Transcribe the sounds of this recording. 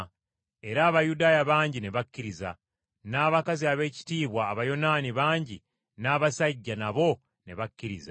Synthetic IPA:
e̞ɾaːβajudaːjaβaːɲɟine̞βakːiɾiza | naːβakaziaβe̞ːci̥tiːβwaːβajo̞naːniβaːɲɟi | naːβasaɟːanaβo̞ | ne̞βacːiɾiza

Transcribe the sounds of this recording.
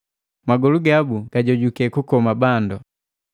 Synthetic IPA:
maɡɔluɡabuɡ̥aɟɔɟukɛkukɔmabandɔ

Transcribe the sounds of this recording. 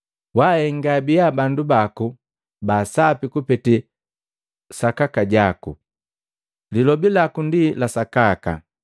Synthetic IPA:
wahɛŋɡabijabandubaku | baːsapikupɛti | sakakaɟaku | lilɔbilakundilasakaka̰

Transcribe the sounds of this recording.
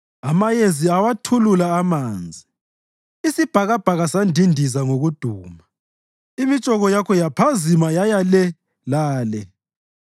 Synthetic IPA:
amajezʱiawatʰululaːmaːnd͡zʱi | isib̥ʱaɣab̥ʱaɣasandʱindʱizaŋoɣud̥ʱuːma | imit͡ʃʼɔɣɔjakʰɔjapʰazimajajalɛ | laːlɛ

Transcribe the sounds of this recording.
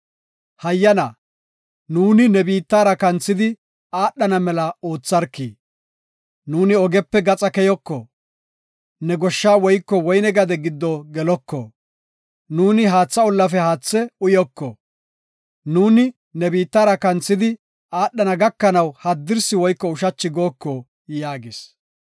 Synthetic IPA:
hɐjːɐnɐ | nuːnɪnɛbiːt̪ːaːɾɐkɐnt͡sːɪd̪ɪ | aːɗːɐnɐmɛlɐoːt͡sːɐɾkːiː | nuːnɪɔɡɛpːɛɡɐt͡sʼɐkɛjɔkːɔ | nɛɡɔʃːaːwɔjkːɔwɔjnɛɡɐd̪ɛɡɪd̪ːɔɡɛlɔkːɔ̰ | nuːnɪɦaːt͡sːɐɔlːɐfɛhaːt͡sːɛʊjɔkːɔ | nuːnɪ | nɛbiːt̪ːaːɾɐkɐnt͡sːɪd̪ɪ | aːɗːɐnɐɡɐkːɐnɐwhɐd̪ːɪɾsɪwɔjkːɔʊʃɐt͡ʃːɪɡo̞ːkːɔ | jaːɡɪs

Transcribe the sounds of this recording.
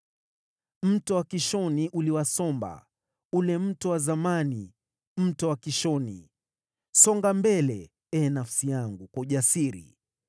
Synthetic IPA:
m̩tɔwakiʃɔniʔuliwasɔmba̰ | ulɛm̩tɔwazamani | m̩tɔwakiʃɔnḭ | sɔŋɡambɛlɛ | ɛnafsijaŋɡukwauʄasiɾḭ

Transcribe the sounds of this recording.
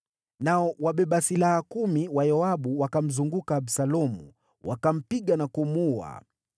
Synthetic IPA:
naɔwaɓɛɓasilahakumiwajɔaɓuwakam̩zuŋɡukaːɓsalɔmṵ | wʔa̰kam̩piɠanakumua̰

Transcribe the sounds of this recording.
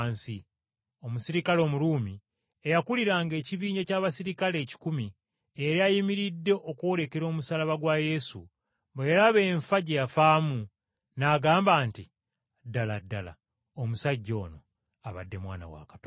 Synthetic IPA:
nsi | o̞musiɾikalo̞ːmuɾuːmi | ejakuliɾaːŋɡe̞ːciβiːɲacaːβasiɾikale̞ːci̥kumi | eɾiajimiɾidːe̞ʔo̞koɾe̞ke̞ɾo̞ːmusalaβaɡwaje̞sṵ | mbojalaβe̞ːɱfaɟejafaːmu | naɡaːmbaːnti | dːaladːala̰ | omusaɟːo̞ːno̞ | aβa̰dːe̞mwa̰ːna̰wa̰kḁtoː

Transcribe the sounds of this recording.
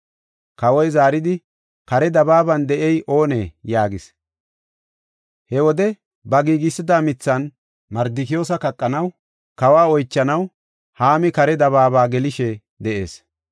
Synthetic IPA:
kɐwɔjzaːɾɪd̪ɪ | kɐɾɛd̪ɐbaːbɐnd̪ɛʔɛjʔo̞ːnḛːjaːɡɪs | hɛwɔd̪ɛ | bɐɡiːɡɪsːɪd̪aːmɪt͡sːɐn | mɐɾd̪ɪkɪjoːs̬ɐkɐkʼːɐnɐw | kɐwaːɔjt͡ʃːɐnɐw | haːmɪkɐɾɛd̪ɐβaːbaːɡɛlɪʃɛ | d̪ɛʔe̞ːs

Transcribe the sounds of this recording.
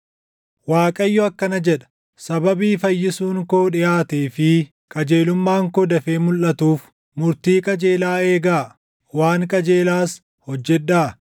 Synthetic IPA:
waːkʼɐjːɔɐkːɐnɐd͡ʒɛᶑɐ̥ | sɐbɐbiːfɐjːɪsuːŋkoːᶑɪjaːt̪eːfɪ | kʼɐd͡ʒe̞ːlʊmːaːŋkɔd̪ɐfe̞ːmʊlʔɐt̪uːf | mʊɾt̪iːkʼɐd͡ʒe̞ːlaːe̞ːɡaː | waːŋkʼɐd͡ʒe̞ːlaːs | hɔd͡ʒːɛᶑːaː

